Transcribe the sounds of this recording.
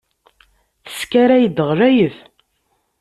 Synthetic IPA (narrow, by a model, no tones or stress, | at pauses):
θə̥skaɾæjəd̪əʁɾæjəθ